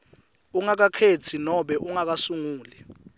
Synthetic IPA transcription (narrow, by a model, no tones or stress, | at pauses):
uŋak̬akʰet͡sʰinɔɓɛʔuŋak̬asuŋuːlɛ